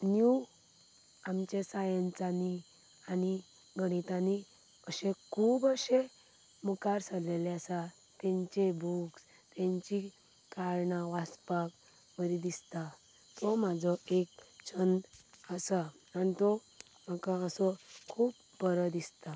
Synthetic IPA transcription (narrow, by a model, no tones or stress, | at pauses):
nju | amt͡ɕesajə̃nt͡sani | ani | ɡəɽ̃it̪ani | əɕẽkʰuːbəɕe | mukaɾsaleleasa | t̪ɛ̃ɲt͡ɕebuks | t̪ɛ̃ɲt͡ɕi | kaɾɳãʋaspak | ʋəɾid̪ist̪a | t̪ɔmad͡zʱɔek̚t͡ɕʰənəsa | anit̪ɔ | m̤əkaəsɔkʰuːp̚ | bəɾəd̪ist̪a